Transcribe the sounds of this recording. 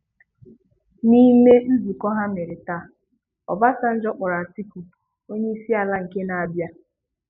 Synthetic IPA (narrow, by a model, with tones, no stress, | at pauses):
ni˦me˦n̩˦zi˨kɔ˦ɦa˦me˨ɾe˨ta˦˨ | ɔ̰˨ba˦sa˦n̩˦d͡ʒɔ˦k͡pʊ˨ɾa˨si˦ku˨ | o˦ɲe˦i˦si˦a˨la˦ŋ̩˨ke˦na˨a˨bja˦